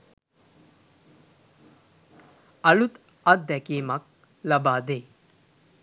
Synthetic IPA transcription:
ɐlut̪ | ɐd̪ʱjɐkiːmɐk̚ | lɐbaːd̪eː

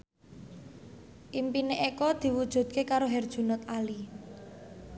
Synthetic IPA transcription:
ʔimpineʔekɔd̪̥i̤wud̥ʒ̥ṳd̪̥̚kekaɾoɦɛrd̥ʒ̥ṳnɔt̪ali

